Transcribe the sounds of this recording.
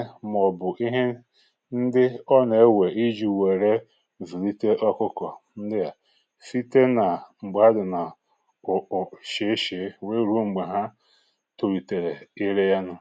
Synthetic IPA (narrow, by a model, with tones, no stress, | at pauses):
m˨ɔ˨bʊ˨ʔi˦ɦe˦ | n̩˦dɪ˦ɔ˦ne˨˦we˨i˦d͡ʒi˨we˨ɾe˦ | zu˨li˦te˦ʔɔ˦kʊ˦kɔ˨n̩˦dɪ˦ja˨ | si˦te˦na˨ŋ͡m̩˨ɡ͡ba˦dʊ˨na˨ | ʊ˨ʃe˨˦ʃe˨˦we˦ɾu˦ŋ͡m̩˨ɡ͡ba˨ɦa˦ | to˨ɾi˨te˨ɾe˨i˦ɾe˦ja˦nʊ˦